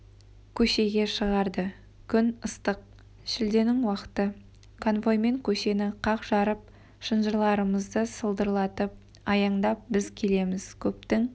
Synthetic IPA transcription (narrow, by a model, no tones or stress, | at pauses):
kʲʰɵʃe̞ɡʲe̞ʃəʁɑɾd̪ə | kʲʰʏnəst̪əq̚ | ʃɪld̪e̞nɪŋwɑqə̥t̪ə | kʰonvo̞jme̞ŋkʲʰɵʃe̞nɪqʰɑqʒ̥ɑɾəp̚ | ʃənʒəɾlˠɑɾəməzd̪əsəlˠd̪əɾlˠɑt̪əp̚ | ɑjɑɴd̪ɑp̚bɪzkʲʰe̞le̞mɪz̥kʲʰɵp̚t̪ɪŋ